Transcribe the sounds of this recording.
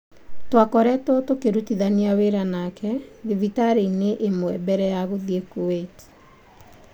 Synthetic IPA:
twakɔɾɛtɔtokeɾutiðaniaweɾanakʰɛðivitaɾeineʔemwɛbɛɾɛjaɣoðekuweti̥

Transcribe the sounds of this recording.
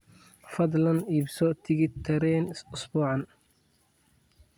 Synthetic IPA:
fɐd̪lɐniːbsɔt̪ʰɪɣɪt̪ʰːɐɾɛːnʊsbɔːʕɑn

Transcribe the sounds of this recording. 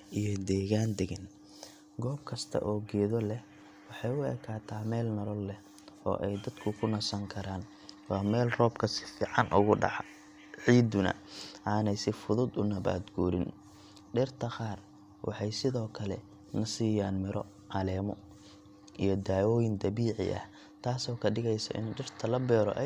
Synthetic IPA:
ʔijɔd̪ɛːɣaːnd̪ɛɣɛn | ɡɔːb̚kʰɐst̪ʰɐ̰ʔɔːɡɛːðɔlɛh | wɑħɑjʊɛ̰ːkʰaːt̪ʰaːmɛːlnɐlɔlːɛ | ɔ̰ːʔɛjd̪ɐd̪̥kʰʊkʰʊnɐsɐŋkʰɐɾaːn | wɑːmɛːlrɔːbkʰɐsɪ̥fiːʕɑnʔʊɣʊɖɑ̰ʕ | ʕiːd̪ʊnɐ̰ʔaːnɛjsɪfʊðʊd̪ʊnɐβa̰ːd̪ɡuːɾɪn | ɖɪrt̪ʰɐqaːr | wʔɑ̰ħɑjsɪðɔːkʰɐlɛ̰ | nɐsiːjaːnmɪɾɔ | ʕɑlɛːmɔ | ʔijɔd̪aːwɔːjɪnd̪ɐβiːʕɪ̰ʔɐ̰h | t̪ʰaːsɔːkʰɐɖɪɣɛjsɐ̰ʔɪ̰nɖɪrt̪ʰɐlɐbɛːɾɔ̰ʔɛ

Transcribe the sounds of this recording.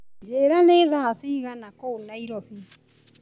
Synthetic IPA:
d͡ʒeːɾaneːðasiːɣanakounaiɾɔɸi

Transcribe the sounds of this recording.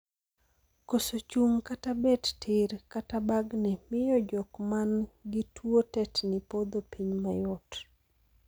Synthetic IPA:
kosot͡ʃuŋkatabɛttʰɪrkatabaɡnɛmɪjɔd͡ʒɔkmanɡɪtwotɛtnɪpod̪opiɲmajɔt

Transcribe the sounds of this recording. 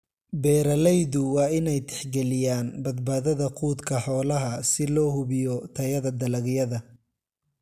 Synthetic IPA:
bɛːɾɐlɛjðʊwɑːɪnɛjt̪ʰɛ̥ħɡɛlɪjaːnbɐd̪̚baːðɐðɐqʰuːd̪kʰɐħɔːlɐɦɐsɪlɔːhʊβɪjɔt̪ʰɐjɐðɐd̪ɐlɐɣjɐðɐ

